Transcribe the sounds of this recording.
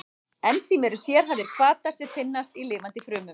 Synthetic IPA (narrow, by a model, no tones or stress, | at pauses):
ɛnsimɛɾʏsjɛɾ̥ɦavðɪɾ̥kʰvaːt̪aɾ̥sjɛ̥t̪ʰɪnːast̪ilɪːvant̪ɪfɾʏːmʏm